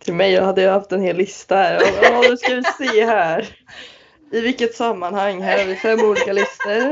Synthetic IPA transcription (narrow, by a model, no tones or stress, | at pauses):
t̪ʰɪlmɛjːɑhad̪ːəjɑhaft̪ɛnheːlːɪst̪aæɾɔd̪ɵskavɪseːɦæːɾ | ɪvɪlkːət̪samːanhaŋːɦæːɾhaɾvɪfɛmːuːliːkalɪst̪əɾ